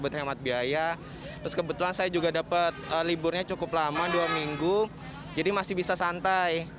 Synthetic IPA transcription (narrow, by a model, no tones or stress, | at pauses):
bʊt̪̚hemat̪̚biaja | t̪ɾʊskəbət̪ulansajad͡ʒuɡadapət̪̚əlibʊrɲat͡ʃukʊplamaduamiŋɡu | d͡ʒadimasɪhbisasant̪aj